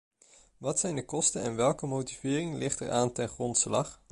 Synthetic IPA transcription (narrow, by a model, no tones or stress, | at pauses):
ʋɑtsɛjndəkɔstənɛnʋɛlˠkəmowtivɪːrɪŋlʔɪχtə̰ɹʔaːntɛnχrɔntslɑχ